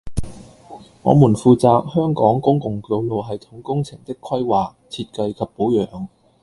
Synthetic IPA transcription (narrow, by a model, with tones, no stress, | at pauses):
ŋɔ̰ː˨˧muː˨˩nfuː˨˧t͡saː˧k̚hœː˥ŋkɔː˨˥ŋkʊ˥ŋkʊ˨˩ŋko˧wlo˨wɦɐ˨jt̪ʰʊ˨˥ŋkʊ˥ŋt͡sʰɪ˨˩ŋt̪ɪ˥kʰːwɐ˥jwaː˨k̚t͡sʰiː˧t̚kɐ˧jkʰɐ˨˩p̚po˨˥wjœː˨˧ŋ